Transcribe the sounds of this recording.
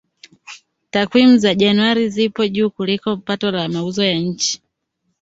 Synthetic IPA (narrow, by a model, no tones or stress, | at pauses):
takwimuzaʄanuaɾizipɔʄuːkulikɔpatɔlamauzɔjaɲ̩t͡ʃi̥